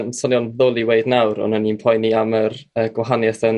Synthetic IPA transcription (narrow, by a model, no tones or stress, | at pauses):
msɔnjɔnðoːlˠiwejdnawɾɔ̰naninpʰɔjniamərəːɡ̥waɦanjɛθən